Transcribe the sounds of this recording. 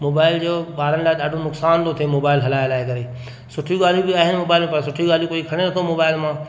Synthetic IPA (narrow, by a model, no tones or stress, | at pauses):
moːbaːɪld͡ʑoːɓaːɾənɪlaːɗaːɖʱonʊksaːnt̪ot̪ʰemoːbaːɪlɦɐlaːjlaːɦɪkɐɾeː | sʊʈʰiɡaːl̤ibɪaːɦɪnɪmoːbaːɪlmpɐɾsʊʈʰiɡaːlikoːikʰɐɽ̃eɾɐt̪ʰomoːbaːɪlmãː